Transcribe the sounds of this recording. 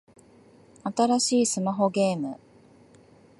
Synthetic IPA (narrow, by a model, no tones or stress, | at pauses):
at̪aɾaɕiːsɨmaɦo̞ɡe̞ːmɯ